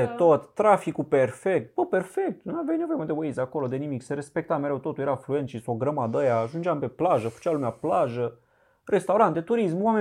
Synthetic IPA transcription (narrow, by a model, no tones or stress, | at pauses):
et̪ot̪ːɾafikuperfek̚t̪̚bəpe̞rfek̚t̪nuavjajne̞voemad̪ewejzako̞lo̞d̪e̞nimikse̞ɾe̞spek̚t̪ame̞ɾewt̪o̞t̪ujeɾaflue̞nt̪ʃisoɡɾəmad̪əjaːʒund͡ʒeampe̞plaʒəfə̥t͡ʃalumeaplaʒə | rʔe̞st̪awɾant̪et̪uɾis̬mwame